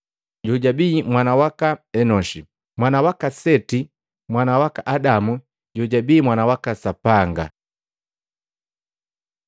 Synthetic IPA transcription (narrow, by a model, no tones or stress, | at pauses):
ɟɔɟabiːmwanawakaɛnɔʃi | mwanawakasɛti | mwanawakaʔadamu | ɟɔɟabiːmwanawakasapaŋɡa̰